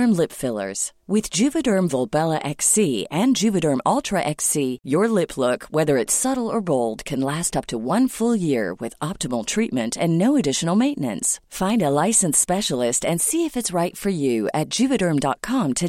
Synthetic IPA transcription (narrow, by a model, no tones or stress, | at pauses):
ə˞mlɪpfɪlˠə̰˞z̥wɪðd͡ʒʉvɨɾɜ̃˞mvɔlˠbɛlˠəʔɛksiɨ̃nd͡ʒʉvɨɾə̃˞mɔlˠtʰɹ̥ɨʔɛksijə˞lɪpʰlʊkwɛðə˞ɨtsʌɾl̩ˠə˞boʊlˠd̚kʰɨ̃nlæstʌp̚tʰəwʌ̃nfʊlˠjɪɹwɪ̰ðɑp̚təml̩ˠtʰɹ̥it̚mɨ̃ntʰɨ̃nːoʊɨdɪʃn̩l̩ˠmẽɪ̃nʔnɨ̰̃nsfãɪ̃ndəlaɪsɨ̃n̩spɛʃl̩ˠɪstɨ̃nsiɨfɨtsɹaɪtfə˞jʉɨt̚d̥ʒ̥ʉvɨɾɜ̃˞mdɑ̰t̚kʰɑ̃mtʰɨ